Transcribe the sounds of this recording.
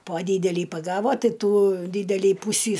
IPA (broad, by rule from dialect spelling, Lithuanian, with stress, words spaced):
poː ˈdʲiːdʲɛlʲiː pɐˈɡɑːʋoː ˈtɐɪ ˈtuː ˈdʲiːdʲɛlʲiː ˈpuːsʲiː